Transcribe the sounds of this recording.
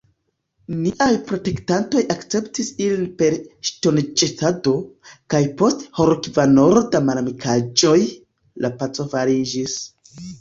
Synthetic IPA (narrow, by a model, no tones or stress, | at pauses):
niʔajpɾo̞te̞ktanto̞jakt͡se̞ptisilinpe̞ɾʃto̞nd͡ʒetado̞kajpo̞stho̞ɾokvano̞ɾo̞damalamikʰad͡ʒo̞j | lapat͡so̞vaɾid͡ʒis